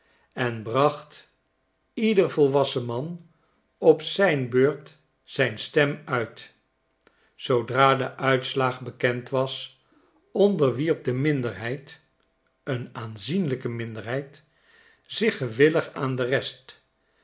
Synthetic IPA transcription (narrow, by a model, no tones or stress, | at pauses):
ɛnbrɑχt | idəɹvɔlˠʋɑsəmɑn | ɔpsɛjnbøːɹt | sɛjnstɛmœɥt | sowdraːdəʔœɥtslaːχbəkɛntʋɑs | ɔndəɹʋiɹp̚dəmɪndəɹɦɛjt | ənaːnzinləkəmɪndəɹɦɛjt | z̥ɪχəʋɪləχaːndərɛst